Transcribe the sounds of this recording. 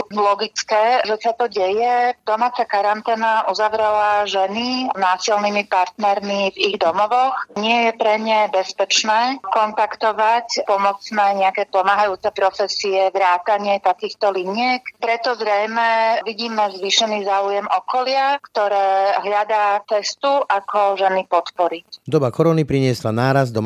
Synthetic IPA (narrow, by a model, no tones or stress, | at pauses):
lɔɡit͡skɛːʒɛsat̪ɔɟɛjɛd̪ɔmaːt͡sakaɾant̪ɛːnaʔuzaʋɾɛlaʒɛninaːsilniːmipaɾt̪nɛɾmiviɣd̪ɔmɔʋɔxɲɪɛjɛpɾɛɲɛbɛspɛt͡ʃnɛːkɔnt̪akt̪ɔʋacpɔmɔt͡snɛːɲɛakɛːpɔmaːɦajuːt͡sɛpɾɔfɛsiɛʋɾaːt̪aɲɪɛt̪akiːxt̪ɔliɲɪɛkpɾɛt̪ɔzɾɛjmɛʋiɟiːmɛzʋiːʃɛniːzaːujɛmʔɔkɔlɪakt̪ɔɾɛːɦʎad̪at͡sɛst̪uʔakʰɔʒɛnipɔt̪pɔɾicd̪ɔbakɔɾɔnipɾiɲɪɛslanaːɾazd̪ɔm